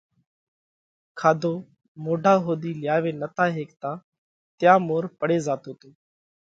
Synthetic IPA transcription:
kʰaːd̪ʱoː | moːɖʱaːɦoːɗ̪iːlɪjaːʋeːnət̪aːɦeːkt̪ãː | t̪ɪjãːmoːɾpəɽeːzaːt̪oːt̪oː

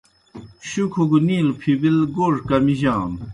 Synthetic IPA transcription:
ɕukʰoɡuniːlpʰibilɡoʐkamiʑaːn

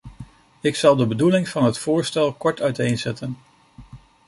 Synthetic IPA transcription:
ɪksɑlˠdəbədulɪŋv̥ɑnɦətfʊːɹstɛlˠkɔɹtœɥtejnzɛtʰən

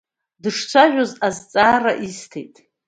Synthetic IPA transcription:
dɨʂt͡sʷʰaʒʷᶣozazt͡sʼaːraʔistʰejtʼ

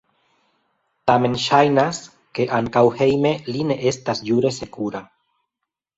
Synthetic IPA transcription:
tame̞nʃajnas | ke̞ʔaŋkawhe̞jme̞line̞ʔe̞stasd͡ʒuɾe̞se̞kuɾa

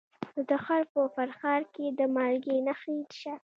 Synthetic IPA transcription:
d̪əxaɾpəfaɾxɑɾked̪əmɑlɡenaxit̪ʃa

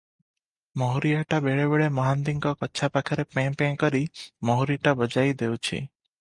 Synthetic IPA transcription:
mɔɦuɾijaʈabeɭebeɭemɔɦand̪iŋkɔkɔtːʃʰapakʰɔɾepẽpẽŋkɔɾimɔɦuɾiʈabɔd͡ʒajd̪ewt͡ʃʰḭ

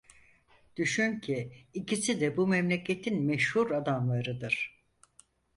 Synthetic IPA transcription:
d̪̥yʃyncʰiːcʰisid̪ɛbumɛmlʲecʰe̞t̪ʰinmɛʃhuɾad̪amlˠaɾɯd̪ɯɾ̥

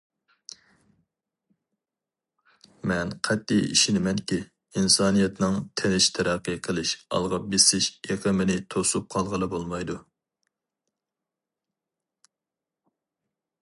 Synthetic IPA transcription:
mɛnqʰɛt̪ːijḭʃinɪmɛnkʲi | insɑːnijɛt̪nɨŋt̪ʰɪnɪʃt̪ʰɛɾæqːəqʰəlˠɨʃɑ̰lˠʁɑbesɪʃeqʰəmɪnɪt̪ʰosup̚qʰɑlˠʁəlˠɨbolˠmɑjd̪u

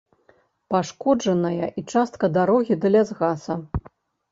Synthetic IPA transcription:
paʂkɔd͡ʐɐnɐjɐʔit͡ʂast̪kɐd̪aɾɔɣʲid̪ɐlʲazɣasɐ

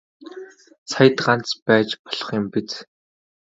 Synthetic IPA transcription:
sajə̆t̪ɢant͡spæːt͡ɕpɔ̥ɮɞ̆χjʊ̆mpit̪

